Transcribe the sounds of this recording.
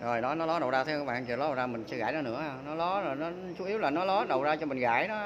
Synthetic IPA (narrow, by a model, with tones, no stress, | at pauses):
zo˨˩jnɔ˨˦nɔ˨˦lɔ˨˦ɗə˨˩wzaː˧t̪ʰɨ˧kːaː˨˦˩ɓa̰ː˧˨t͡ɕɨ˨˩lɔ˨˦˨zaː˧mï˨˩ŋ̟sɛ̰˧˦ɣaː˧˩jnɔ˨˦nɨ̰˧˥əhːnɔ˨˦lɔ˨˦zo˨˩jnɔ˨˦ | t͡ɕu˨˦i˨˦əwlaː˨˩nɔ˨˦lɔ˨˦ɗə˨˩wzaː˧t͡ɕɔ˧mï˨˩ŋ̟ɣa̰ː˧˩˨jɗɔ˨˦